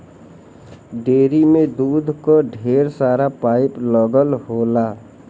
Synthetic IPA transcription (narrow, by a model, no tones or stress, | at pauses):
ɖeːɾimẽd̪uːd̪ʱkoɖʱeːɾsaːɾapaːɪpləɡəlɦoːlaː